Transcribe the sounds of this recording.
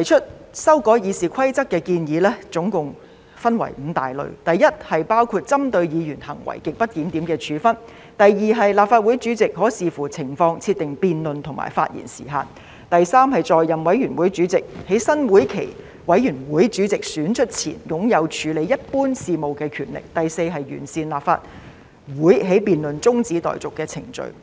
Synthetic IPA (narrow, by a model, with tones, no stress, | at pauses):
t̪ɐ˨˩jt͡ʃʰɵ˥t̚sɐ˥wkɔː˨˥jiː˨˧siː˨˩kʰɐ˥jt͡sɐ˥kːɛː˧kiː˧njiː˨˥lɛː˥t͡sʊ˨˥ŋkʊ˨ŋ | fɐ˥nwɐ̰˨˩jm̩ː˨˧t̪aː˨˩jlɵ̰˨ɥt̪ɐ˨jjɐ˥t̚hɐ˨jpaː˥wkʰuː˧t̚t͡sɐ˥mt̪ɵ˧ɥjiː˨˧jyː˨˩nhɐ˨˩ŋwɐ̰˨˩jkɪ˨k̚pɐ˥t̚jiː˨˥mt̪i˨˥mkɛː˧t͡ʃʰyː˨˧fɐ˥n | t̪ɐ˨jjiː˨ɦɐ˨jlaː˨˩p̚faː˧t̚wuː˨˥jt͡ʃyː˨˥t͡sɪ˨k̚ɦɔː˨˥siː˨fuː˨˩t͡sʰɪ˨˩ŋfɔː˧ŋt͡sʰi˧t̪ɪ˨ŋpiː˨nlɵ˨nt̪ʰʊ˨˩ŋma̰ː˨˩jfa̰ː˧t̚jḭ˨˩nsḭː˨˩ɦa̰ː˨n | t̪ɐ˨jsaː˥mɦɐ˨jt͡sɔː˨jːɐ˨mwɐ˨˥jyː˨˩nwuː˨˥jt͡syː˨˧˥t͡sɪ˨k̚he˨˥jsɐ˥nwuː˨˥jkʰe˨˩j | wɐ˨˥jjyː˨˩nwuː˨˥jt͡ʃyː˨˥t͡sɪ˨k̚syː˨˥nt͡ʃʰɵ˥t̚t͡sʰḭː˨˩njʊ˨˥ŋjɐ˨˧wt͡ʃʰyː˨˧le˨˧˥jɐ˥t̚puː˥nsiː˧mo˨˧wkɛː˧kʰyː˨˩nlɪ̰˨˩k̚t̪ɐ˨jse˧jɦɐ˨jɥy̰ː˨˩nsiː˨˧nlaː˨p̚fa̰ː˧t̚ | wuː˨˥jɦe˨˥jpiː˨nlɵ˨nt͡sʊ˥ŋt͡siː˨˥t̪ɔ̰ː˨jt͡sʊ˨˩kːɛː˧t͡sʰɪ˨˩ŋt͡ʃɵ̰˨˧ɥ